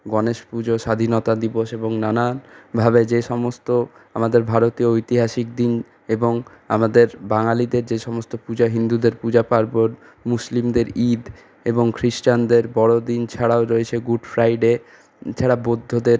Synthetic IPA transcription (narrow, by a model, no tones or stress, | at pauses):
ɡɔneʃpud͡ʑoʃad̪ʱinot̪ad̪iboʃeboŋnanabʱabed͡ʑeʃɔmost̪oamad̪eɾbʱaɾot̪ioojt̪iɦaʃik̚d̪in | eboŋ | amad̪eɾbaŋalid̪eɾd͡ʑeʃɔmost̪opud͡ʑaɦind̪ud̪eɾpud͡ʑapaɾboɾ | muslimd̪eɾid̪ | eboŋkʰɾiʃʈand̪eɾbɔɽod̪int͡ɕʰaɽaoɾoet͡ɕʰeɡuɖfɾajɖe | t͡ɕʰaɽabod̪ʱːod̪eɾ